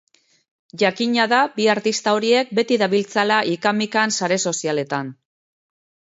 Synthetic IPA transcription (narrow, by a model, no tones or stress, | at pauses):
ʝakiɲaðabiaɾt̪ist̪ao̞ɾie̞k̚be̞t̪iðaβilt͡salaʔikamikansaɾe̞so̞siale̞t̪an